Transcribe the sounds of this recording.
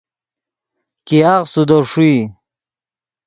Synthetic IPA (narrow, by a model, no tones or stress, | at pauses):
kiaqsud̪oʂui